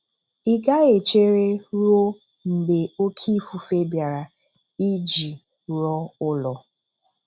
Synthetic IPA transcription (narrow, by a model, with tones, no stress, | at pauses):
i˦ɡa˦e˨t͡ʃe˦ɾe˦ɾo˦ | ŋ͡m̩˨ɡ͡be˨o˦kʰi˦fu˨fe˦bja˨ɾa˨ | i˦d͡ʒi˨ | ɾɔ˦ʊ˦lɔ˨